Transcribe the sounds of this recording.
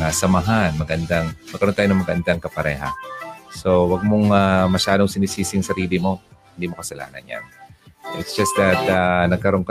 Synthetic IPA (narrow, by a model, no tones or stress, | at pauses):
asɐmɐɦanmɐɡɐnd̪aŋmɐɡkːɐɾo̞naːjonɐŋmɐɡʔɐnd̪aŋkɐpɐɾɛːɦɐ̰so̞wɐɡ̚moŋamɐʃaːd̪o̞ŋsɪniːsiːsɪŋsɐɾiːlɪmo̞hɪnd̪iːmokɐsɐla̰ːnɐ̰nja̰noʔɪt̪sd͡ʒ̥ɐsd̪ɐt̪̚ɐnɐɡ̚kɐɾo̞nkɐ